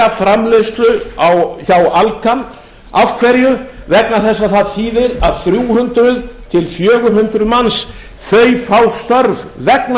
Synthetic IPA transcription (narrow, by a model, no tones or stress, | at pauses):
afɾamlest̪lʏawçawalkʰan | afkʰvɛɾjʏvɛknaθɛsːaθaðθiːðɪɾaðθɾjuːhʏnt̪ɾʏðt̪ʰɪlfjœːɣʏɦʏnt̪ɾʏðmans | θœːjfawst̪œɾvvɛkn